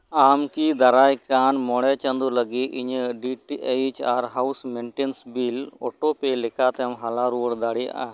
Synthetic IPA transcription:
amkid̪aɾajkanmɔɽɛt͡ʃand̪uləɡit̪iɲɖiʈiʔejt͡ʃaɾɦawsmɛɳʈensbilɔ̰ʈɔpɛlɛkat̪ɛmɦalaɾuəɽd̪aɽija̰ʔa̰

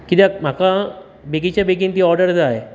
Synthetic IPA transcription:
kit̪am̤aka | bekit͡ɕabek̬int̪iːɔɾɖəɾd͡zəaɦe

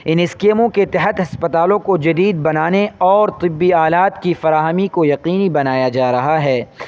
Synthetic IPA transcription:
ɪnɪskeːmõket̪ɐɦət̪ɦɐspɐt̪aːlõkod͡ʒɐd̪iːd̪̚bɐnaːneɔːɾt̪ɪbːiaːlaːt̪kifɐɾaːɦəmikojɐqiːnibɐnaːjad͡ʒaːɾɐɦaɦɛː

